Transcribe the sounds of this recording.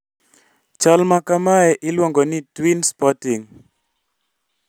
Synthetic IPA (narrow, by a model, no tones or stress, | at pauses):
t͡ʃalmakamaɛʔɪlwɔŋɡɔnitwinspɔtiŋ